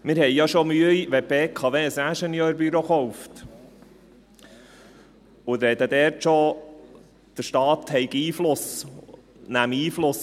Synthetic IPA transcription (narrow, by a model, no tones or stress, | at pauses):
mɪɾhɛjjɑʃomyəiʋɛpeːkʰɑʋeːsæʃɛnjøːɾbyɾoχɔwft̪ | ʊd̪ɾɛd̪əd̪ɛːɾtʃo | d̪̥əɾʃtɑːt̪hɛɪɡiːflʊs | næmiːflʊs